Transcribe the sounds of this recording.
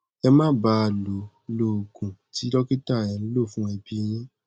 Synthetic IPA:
ɛ˧mã˦˨ba˧˦a˨lo˨ | lo˨ɡũ˨ti˨˦lɔ˦ki˦ta˦˨j̃ã˨˦lo˦˨fũ˦ɛ˧bi˧j̃ĩ˦

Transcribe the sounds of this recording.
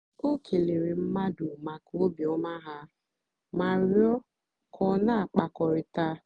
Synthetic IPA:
o˦kʰe˨le˨ɾe˨m̩˦ma˦du˨ma˨ko˦bi˨ɔ˦ma˦ɦa˦ | ma˨ɾjɔ˦ | kʰɔ˨na˦a˨k͡pa˨kɔ˨ɾɪ˨ta˦

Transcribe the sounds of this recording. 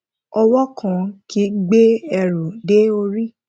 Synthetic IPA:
ɔ˧wɔ˦kʰã˦˨ki˦ɡ͡be˦ɛ˧˨ɾo˨de˦o˧ɾi˦

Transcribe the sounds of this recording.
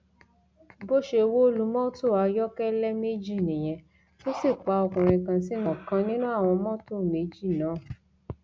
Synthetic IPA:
bo˦ʃe˧wo˦o˦lu˧˦mɔ̃˦to˦˨a˨˧jɔ˦kɛ˦lɛ˦me˦d͡ʒi˦˨nĩ˨j̃ɛ̃˧ | to˦si˦˨k͡pa˨˧ɔ˧kũ˨ɾ̃ĩ˧kã˧si˦nɔ̃˨kã˧nĩ˦nũ˦a˦˨w̃ɔ̃˧mɔ̃˦to˦˨me˨˦d͡ʒi˦˨nãː˨˦˨

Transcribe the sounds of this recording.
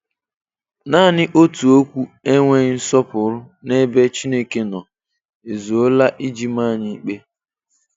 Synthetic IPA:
naː˦˨nɪ˦ʔo˦tu˨o˦kʷu˦e˦ŋʷe˦n̩˦sɔ˦pʊ˨˦ɾʊ˦ne˦be˦t͡ʃi˦ne˦ke˦nɔ˨ | e˨zu˨o˦la˦ʔi˦d͡ʒi˦ma˦˨ɲi˦k͡pe˦

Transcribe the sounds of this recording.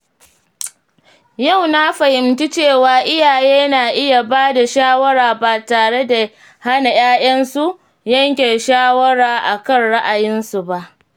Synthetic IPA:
ja˦˨wna˦ɸa˨hɪ˨mti˦t͡ʃeː˦˨waː˨ʔɪ˦jaː˨jeː˦naː˨ʔɪ˦ja˨baː˦da˨ʃaː˦wɐ˦ɽaː˨baː˨taː˨ɽe˦da˨ | ha˦na˨j̰aː˦j̰ɐ˦nsu˦ʔ | jɐ˦ŋkʲe˨ʃaː˦wɐ˦ɽaː˨ʔa˨kɐ˦nɽa˦ʔa˨jɪ˦nsu˨ba˦ʔ

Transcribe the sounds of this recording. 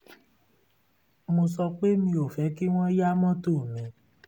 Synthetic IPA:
mo˧sɔ˧k͡pe˦mĩ˧o˨fɛ˨˦ki˦w̃ɔ̃˦ja˦mɔ̃˦to˦˨mɛ̃˨˦

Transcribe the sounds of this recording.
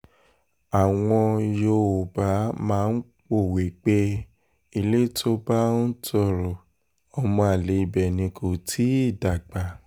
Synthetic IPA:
a˨w̃ɔ̃˧jo˧o˨ba˨˦mãː˦˧n̩˦k͡po˦˨we˨k͡pe˧˦ | i˧le˦tʰo˦ba˦n̩˦tʰɔ˧ɾo˨ | ɔ˧mɔ̃˧a˨le˨˦i˧˨bɛ˨nĩ˧ko˨tʰi˨˦i˦˨da˨ɡ͡ba˨

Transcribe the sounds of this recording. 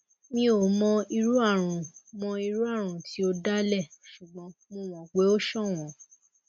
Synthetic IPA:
mĩ˦o˨mɔ̃˧i˧ɾu˦a˦˨ɾ̃ũ˨mɔ̃˧i˧ɾu˦a˦˨ɾ̃ũ˨tʰi˨˦o˧da˦lɛ˦˨ʃu˨ɡ͡bɔ̃˨˦mũ˦w̃ɔ̃˨ɡ͡be˨˦o˦ʃɔ̃˦˨w̃ɔ̃˨˦

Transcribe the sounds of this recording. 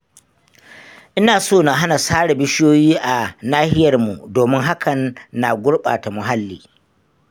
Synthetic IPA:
ʔɪ˦naː˨soː˦˨na˨ɦa˦na˨saː˦ɽe˨bɪ˦ʃjoː˦jiː˦ʔa˨naː˦hɪ˦jɐ˨rmu˨doː˨mɪ˦ŋɦa˦kʰɐ˨nːa˨ɡʷʊ˦ɽɓa̰ː˨ta˨mʊ˨ɦa˦lːiː˨

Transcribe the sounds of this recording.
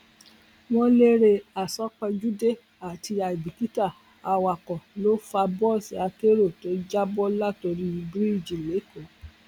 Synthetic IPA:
wɔ̃˦le˦ɾe˧a˨sɔ˦k͡pɛ˧d͡ʒu˦de˦˨ | a˨ti˧a˨i˨bi˨ki˦ta˦˨ | a˨˧wa˨kɔ̃˨lo˦fa˧bɔ˦˨si˨a˧ke˦ɾo˦˨to˨˦d͡ʒa˦bɔ˦la˦˨to˧ɾi˦i˧bɾi˦˨d͡ʒi˨le˨˦ko˨˦

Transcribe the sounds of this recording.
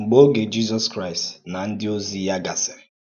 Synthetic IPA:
ŋ͡m̩˨ɡ͡bo˦ɡe˨d͡ʒi˦zɔ˦skɾa˦i˨stna˨n̩˦dɪ˦o˦zi˦ja˦ɡa˨sɪ˨ɾɪ˨

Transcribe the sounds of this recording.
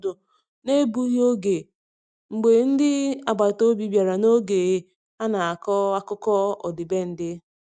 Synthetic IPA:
do˨ | ne˦bu˦ɦo˦ɡe˨ | ŋ͡m̩˨ɡ͡be˨n̩˦dɪ˦a˨ɡ͡ba˨to˦bi˨bja˨ɾa˨no˦ɡe˨e˦ | a˦na˨a˨kɔ˦a˦kʊ˦kɔ˦ɔ̰˨dɪ˨be˦n̩˦dɪ˦

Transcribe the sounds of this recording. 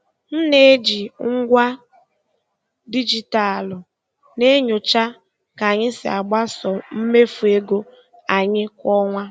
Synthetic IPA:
n̩˦ne˦d͡ʒi˨ŋ̩˦ɡʷa˦ | di˦d͡ʒi˨ta˨lʊ˨ | ne˦ɲʊ˨t͡ʃa˦ | ka˨ɲɪ˦sɪ̰˨a˨ɡ͡ba˦sɔ˨m̩˦me˦fu˨e˦ɡo˦ | a˨ɲɪ˦kʷɔ˦ŋʷa˦

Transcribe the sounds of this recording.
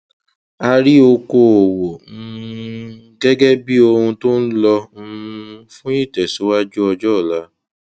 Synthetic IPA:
a˧ɾi˦o˧ko˧o˨wo˨˦ | ɡɛ˦ɡɛ˦bi˦o˧hũ˧to˦n̩˦lɔ˧m̩˦˧fũ˦i˦˨tɛ˨so˨˦wa˦d͡ʒu˦ɔ˧d͡ʒɔ˦˨la˨˦

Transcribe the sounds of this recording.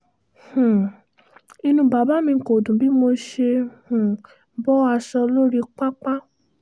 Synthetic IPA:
hũ˨ | i˧nũ˧˦ba˨˦ba˨˦mĩ˧˨ko˨dũ˨bi˨˦mo˧ʃe˧hũ˨˦ | bɔ˦a˧ʃɔ˧lo˦ɾi˧k͡pa˦k͡pa˦

